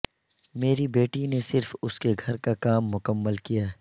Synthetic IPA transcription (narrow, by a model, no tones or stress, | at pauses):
meːɾibeːʈinesɪɾfʊskeɡʱɐɾkakaːmːʊkəmːəlkijaː